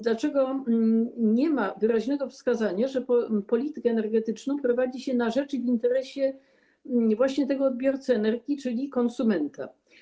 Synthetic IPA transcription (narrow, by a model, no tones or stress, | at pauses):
d̪lat͡ʂɛɡɔ | ɲɛmavɘɾaʑnɛɡɔfskazaɲaʐɛpɔpɔlʲit̪ɘkɛːnɛɾɡɛt̪ɘt͡ʂnɔ̃w̃pɾɔvad͡ʑiɕɛnaʐɛt͡ʂivʲint̪ɛɾɛɕɛ | vwaɕɲɛt̪ɛɡɔːd̪̚bʲjɔɾt̪sɛɛnɛɾɡʲit͡ʂɘlʲikɔnsumɛnt̪a̰